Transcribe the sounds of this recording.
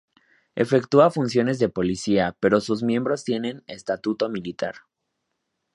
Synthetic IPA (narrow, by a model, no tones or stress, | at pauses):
e̞̰fe̞kt̪uafunsjo̞ne̞zðe̞po̞lisiape̞ɾo̞suzmjẽ̞mbɾo̞st̪je̞ne̞ne̞st̪at̪ut̪o̞milit̪a̰ɾ